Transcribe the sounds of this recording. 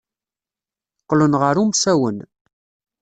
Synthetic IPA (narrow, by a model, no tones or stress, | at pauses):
qːlənʁəɾumsæwən